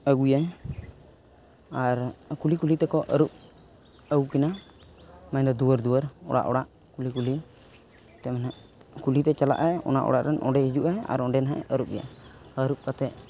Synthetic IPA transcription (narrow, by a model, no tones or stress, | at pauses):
əɡuja | aɾkulikulit̪ɛkɔʔəɾup̚ | əwkina | maɲd̪ɔd̪uwəɾd̪uwəɾɔ̰ɽa̰ʔɔɽaʔ | kulikuli | t̪ɛmanɛʔkulit̪ɛt͡ʃala̰ʔajɛɔ̰na̰ʔɔ̰ɽaʔɾɛnʔɔ̰̃ɖɛhid͡ʒuʔaa̰ɾɔɖɛnaɦaʔɛ̰əɾup̚ja̰əɾup̚kat̪ɛʔ